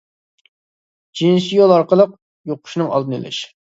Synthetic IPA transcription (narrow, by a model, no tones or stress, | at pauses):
d͡ʒinʃijolˠɑɾqəlˠəq̚ | joqʰʊ̥ʃnɨŋɑlˠd̪ɨny̰lɪ̰ʃ